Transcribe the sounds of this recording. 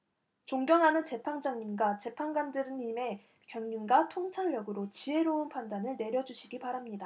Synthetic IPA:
t͡ɕoŋɡjʌŋɦanɯnt͡ɕe̞pʰaŋd͡ʑaŋɲimɡat͡ɕe̞pʰaŋɡandɯɾɯnime̞ | kjʌŋɲunɡatʰoŋt͡ɕʰaɭːʌɡɯɾot͡ɕie̞ɾoɯnpʰandanɯɭne̞ɾjʌd͡ʑuɕʰiɡipaɾamɲida

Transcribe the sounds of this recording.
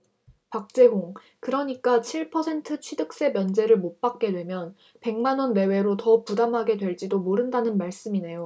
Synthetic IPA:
pak̚t͡ɕ͈e̞ɦoŋ | kɯɾʌɲik͈at͡ɕʰiɭpʰʌsʰe̞ntʰɯt͡ɕʰɥidɯk̚s͈e̞mjʌnd͡ʑe̞ɾɯɭmot̚p͈ak̚k͈e̞dwe̞mjʌn | pe̞ŋmanʌnːe̞we̞ɾotʌpudamɦaɡe̞dwe̞ɭd͡ʑ͈idomoɾɯndanɯnmaɭs͈ɯmine̞jo

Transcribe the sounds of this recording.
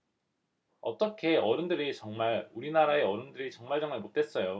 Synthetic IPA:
ʌt͈ʌkʰe̞ʌɾɯndɯɾit͡ɕʌŋmaɾuɾinaɾaeʌɾɯndɯɾit͡ɕʌŋmaɭd͡ʑʌŋmaɭmot͈ʰe̞s͈ʌjo

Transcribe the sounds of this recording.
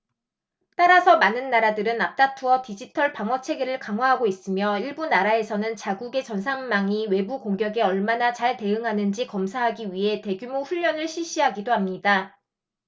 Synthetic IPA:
t͈aɾasʰʌmanɯnːaɾadɯɾɯnap̚t͈atʰuʌtid͡ʑitʰʌɭpaŋwʌt͡ɕʰe̞ɡeɾɯɭkaŋwaɦaɡois͈ɯmjʌiɭbunaɾae̞sʰʌnɯnt͡ɕaɡuɡe̞t͡ɕʌnsʰaŋmaŋiwe̞bukoŋɡjʌɡe̞ʌɭmanat͡ɕaɭte̞ɯŋɦanɯnd͡ʑikʌmsʰaɦaɡiɥiɦe̞te̞ɡjumoɸuʎːʌnɯɭɕʰiɭɕ͈iɦaɡidoɦamɲida

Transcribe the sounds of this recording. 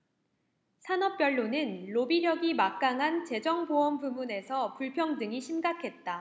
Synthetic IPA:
sʰanʌp̚p͈jʌɭːonɯnːobiɾjʌɡimak̚k͈aŋɦant͡ɕe̞d͡ʑʌŋboʌmbumune̞sʰʌpuɭpʰjʌŋdɯŋiɕʰimɡakʰe̞t̚t͈a

